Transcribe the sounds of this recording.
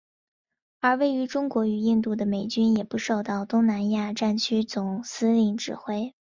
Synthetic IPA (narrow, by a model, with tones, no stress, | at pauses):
ə˞˧˥we˥˩ɪy˧˥ʈ͡ʂʊ˥ŋkwɔ˧˥y˨˩i˥˧ŋt̪u˥˩d̪ə˩me˨˩ɪt͡ɕy˥njɛ˨˩pu˧˥ʂo˥˧ʊt̪ɑ˥˩ʊt̪ʊ˥ŋna˧˥nja˥˧ʈ͡ʂa˥˩nt͡ɕʰy˥t͡sʊ˨˩ŋsɹ̩˥li˧˩ŋʈ͡ʂɻ̩˨˩xwe˥ɪ